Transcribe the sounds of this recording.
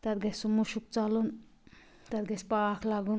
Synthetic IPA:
t̪ɐt̪ɡɐsumuʃuk̚t͡salun | t̪ɐt̪ɡɐspaːkʰlaɡun

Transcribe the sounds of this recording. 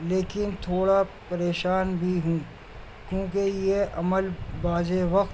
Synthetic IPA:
leːkɪnt̪ʰoːɽapɐɾeːʃaːnbʱiɦũː | kjõːkejeʔɐməlbaːd͡ʒeʋɐk̪

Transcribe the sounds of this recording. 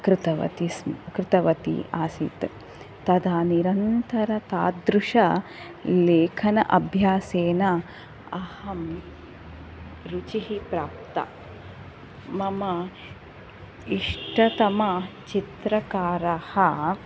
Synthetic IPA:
kɾɪt̪ɐʋɐ̰t̪iskɾɪt̪ɐʋɐt̪ḭʔaːsit̪ | t̪ɐd̪aːniɾɐnt̪ɐɾɐt̪aːd̪ɾuʂɐ | leːkʰɐnɐ̰ʔɐbʱjaːseːnɐ | ɐhɐm | ɾut͡ʃiɦipɾaːp̚t̪ɐ̰ | mɐmɐ | iʂʈɐt̪ɐmɐt͡ʃit̪ɾɐkaːɾɐhɐ

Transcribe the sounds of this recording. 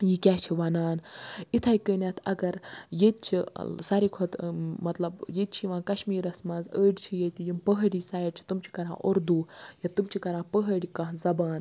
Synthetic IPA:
jikʲaːt͡ʃʰiʋɐnaːnit̪ʰaːjikənʲaːt̪ʰɐɡɐɾjet̪̚t͡ʃʰḭsaɾikʰot̪mɐt̪lɐbjet̪̚t͡ʃʰiʋãːkɐʃmiːɾɐsmɐzəːɖt͡ʃʰijet̪ijimpəɦəɽisaːiɖt͡ʃʰi̥t̪umt͡ʃʰi̥kɐɾã̰ːʔoɾd̪uːjat̪umt͡ʃʰikɐɾãːpəɦəɽikɐɦzɐbaːn

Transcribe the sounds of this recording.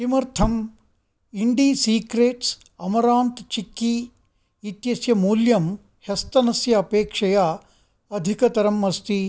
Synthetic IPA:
imɐɾt̪ʰɐm | iɳɖiːsiːkɾeːʈs | ɐmɐɾaːnt̪t͡ʃikːi | it̪jɐsjɐmuːljɐm | hɐst̪ɐnɐsjɐːpeːkʂɐjaː | ɐd̪ʱikɐt̪ɐɾɐmːɐst̪i

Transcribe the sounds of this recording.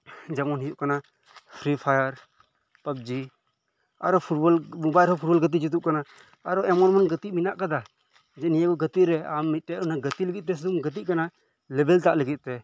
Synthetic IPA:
d͡ʒamɔnɦijuʔkana | pʰɾipʰajəɾ | pəb̚d͡ʒi | a̰ɾɔpʰuʈ̚bɔlmubajɾɦɔpʰuʈ̚bɔlɡət̪̬id͡ʒut̪̬uʔkanaː | ɾɔɛmɔnmanɡət̪iʔminaʔkad̪a | d͡ʒɛnijakɔɡət̪iɾɛa̰mːit̪̚ˀʈɛʔɔnaɡət̪iləɡit̪̚t̪ɛs̬ud̪umɡət̪̬it̪ʔ̚kana | lɛbɛlt̪aʔləɡit̪̚ˀt̪ɛ

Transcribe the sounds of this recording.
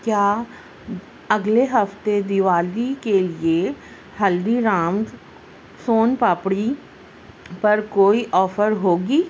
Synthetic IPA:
kjaː | əɡleɦəft̪ed̪ɪʋaːlikelie | həld̪iɾaːmɡ | soːnpaːpɽi | pəɾkoːiʔɔːfəɾɦoːɡiː

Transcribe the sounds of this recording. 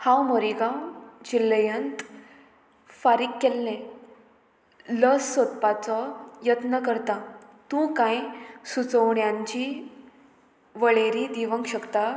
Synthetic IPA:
hãwmoɾiɡãwd͡ʑilːəjənt̪ | faɾikːelnẽ | ləsːot̪pat͡sɔjət̪nəkəɾt̪ã | t̪ũkãjsut͡səʋɳjãɲt͡ɕi | ʋəɭeɾid̪iʋəŋkɕəkt̪a

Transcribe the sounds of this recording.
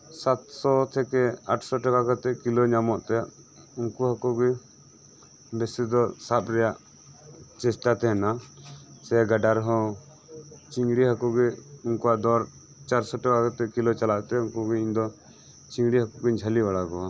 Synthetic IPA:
sat̪sɔt̪ʰɛkɛaʈʰsɔʈakakat̪ɛkilɔɲamɔʔt̪ɛ | uŋkuɦakɔɡɛ | bɛsid̪ɔsap̪̚ɾɛjaʔ | t͡ʃɛsʈat̪ɛɦɛna | sɛaɡaɖaɾɦɔ̃ | t͡ʃiŋɡɽiɦakuɡɛunkuwaʔd̪ɔɾ | t͡ʃaɾsɔʈakakat̪ɛkilɔt͡ʃalaʔt̪ɛuŋkuɡɛiɲd̪ɔ | t͡ʃiŋɡɽiɦakuɡɛɲd͡ʒʱalibaɽakɔa

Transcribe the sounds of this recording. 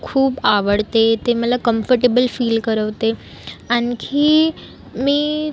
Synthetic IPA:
kʰuːbaʋəɽt̪et̪emət̪lakəmfəɾʈebəlfiːlkəɾəʋt̪e | ankʰiː | mĩː

